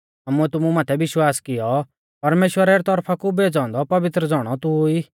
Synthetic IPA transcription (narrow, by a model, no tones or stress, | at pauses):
aːmuɛt̪ʊmumaːt̪ʰɛbɪʃwaːskɪjɔ | pɐɾmeːʃwəɾeɾɛt̪ɔɾpʰakubeːd͡zãːnd̪ɔpɐʋɪt̪ɾəd͡zɔːɽ̃ɔt̪ui